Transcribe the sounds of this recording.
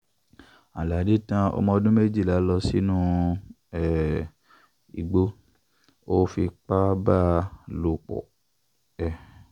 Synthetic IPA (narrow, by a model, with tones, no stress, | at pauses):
a˨la˨di˨˦tã˧ɔ̰˧mɔ̃˧o˧dũ˦me˦d͡ʒi˦˨la˨˦lɔ˧si˦nũ˦ | ɛ˨ | ḭ˨ɡ͡bo˧˦ | o˦fi˧k͡pa˦ba˦˨lo˧˨k͡pɔ̰˨ | ɛ˨